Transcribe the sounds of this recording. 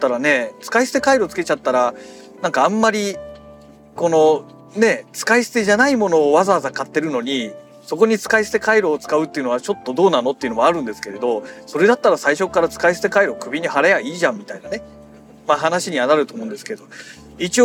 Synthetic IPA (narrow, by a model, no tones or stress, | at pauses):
t̪ːaɾane̞t͡sɨ̥kaisɨ̥t̪e̞kaiɾot͡sɨ̥ke̞̥t͡ɕat̪ːaɾa | nãŋkãːmːaɾʲi | ko̞no̞ | ne̞t͡sɨ̥kaisɨ̥t̪e̞ʑanaimo̞no̞ːβazaːzakat̪ːe̞ɾɯ̟no̞ɲ̟i | so̞ko̞ɲ̟it͡sɨ̥kaisɨ̥t̪e̞kaiɾo̞ːt͡sɨ̥kaɯ̟t̪ːeiɯ̟no̞β̞at͡ɕo̞t̪ːo̞d̪o̞ːnano̞t̪ːe̞iɯ̟no̞maɾɯ̟̃nd̪esɨ̥ke̞ɾe̞d̪o̞so̞ɾe̞d̪at̪ːaɾasaiɕo̞kːaɾat͡sɨ̥kaisɨ̥t̪e̞kaiɾo̞kɯ̟bʲiɲ̟ihaɾajaiːʑãmmːʲit̪ainane̞ | maɦanaɕiɲ̟iβanaɾɯ̟t̪o̞ːmõ̞ːnd̪e̞sɨ̥ke̞d̪o̞ | it͡ɕio